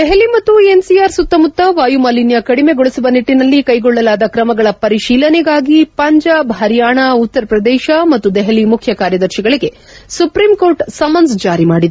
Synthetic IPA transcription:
d̪ɛɦelimɐt̪ːuensiaːɾsut̪ːɐmut̪ːɐʋaːjumaːlinjɐkɐɽime̞ɡɔɭisuʋɐniʈːinɐlːikɐjɡɔɭːɐlaːd̪ɐkɾɐmɐɡɐɭɐpɐɾiʃiːlɐnɛɡaːɡipɐɲd͡ʒaːbɦɐɾjaːɳɐut̪ːɐɾɐpɾɐd̪ɛːʃɐmɐt̪ːud̪ɛɦelimukʰjɐkaːɾjɐd̪ɐɾʃiɡɐɭiɡe̞ | supɾimko̞ːɾʈsɐmɐnsd͡ʒaːɾimaːɽid̪

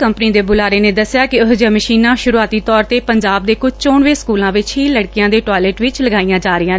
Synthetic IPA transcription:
kəmpniːd̪eːbʊlaːɾeːnẽːd̪əsːɪjaːkɪʊsd͡ʒəːməʃiːnãːʃʊɾuaːt̪iːt̪ɔːɾt̪eːpəɲd͡ʒaːb̚d̪eːkʊd͡ʒt͡ʃoːɳʋeːskuːlãːʋɪt͡ʃɦiːləɽkɪjãːd̪eːʈɔːɪleːʈʋɪt͡ʃləɡaːijãːd͡ʒaːɾɪjãː

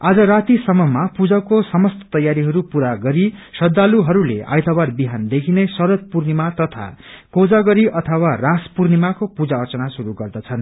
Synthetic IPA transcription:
ad͡zʌɾat̪isʌmʌmapud͡zʌkosʌmʌst̪ʌ̥t̪ʌjːaɾiɦʌɾupuɾaɡʌɾisʌd̪ːaluɦʌɾulḛa̰jt̪ʰʌbarbiɦand̪ekʰinesʌɾʌt̪̚purnimat̪ʌt̪ʰa̰kod͡zaɡʌɾiʔʌt̪ʰʌwaraspurnimakopud͡zaʌrt͡sʌnasuɾuɡʌrd̪ʌt͡sʰʌn

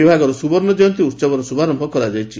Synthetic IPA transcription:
ibʱaɡɔɾɔsubɔɾnɔd͡ʒɔjɔnt̪iuɾt͡ʃabɔɾɔsubʱaɾɔmbʱɔkɔɾad͡ʒajt͡ʃʰi

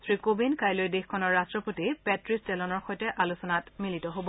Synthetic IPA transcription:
sɹikobinkajlojdexkʰɔnɔɹːastɹɔpotipɛtɹistɛlɔnɔɹxɔjtɛʔalusɔnatmilitɔɦobɔ

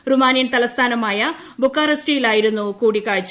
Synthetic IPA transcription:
rumaːnijɐnt̪ɐlɐst̪ʰaːnɐmaːjɐ | bukːaːrɐsʈijilaːjiɾunːukuːɽikːaːɻit͡ɕː

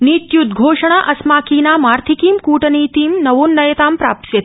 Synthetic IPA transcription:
niːt̪jud̪ɡʱoːʂɐɳ̃aːʔɐsmaːkiːnaːmaːɾt̪ʰikiːmkuːʈɐniːt̪iːmnɐʋoːnːɐjɐt̪aːmpɾaːpsjɐt̪

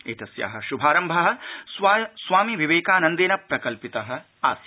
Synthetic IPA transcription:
eːt̪ɐsja̰ːɦɐ̆ʃubʱaːɾɐmbʱɐɦɐ̆ssʋaːmiʋiʋeːkaːnɐnd̪eːnɐpɾɐkɐlpit̪ɐɦɐ̆ | a̰ːs

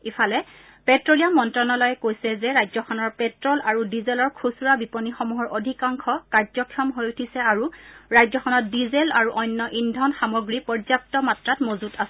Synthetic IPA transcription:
ifʰalɛ | pɛtɹolijamːɔntɹɔnɔlɔjɛkojsɛzɛɹajzɔkʰɔnɔɹpɛtɹɔlaɹudizelɔɹkʰusuɹabipɔnixɔmuɦɔɹodʱikaŋkʰɔkaɹzɔkʰiɔmɦojutʰisɛaɹuɹajzɔkʰɔnɔt̚dizelaɹuʔɔjnːɔʔindʱɔnxamɔɡɹipɔɹzap̚tɔmatɹatmozutasɛ

